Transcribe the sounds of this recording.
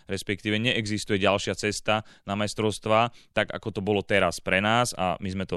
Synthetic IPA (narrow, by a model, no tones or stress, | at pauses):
ɾɛspɛk̚t̪iːʋɛɲɛʔɛɡzist̪ujɛɟalʃɪat͡sɛst̪anamajst̪ɾɔʊst̪ʋaːt̪aɡa̰kɔt̪ɔbɔlɔt̪ɛɾaspɾɛnaːza̰mizmɛt̪ɔ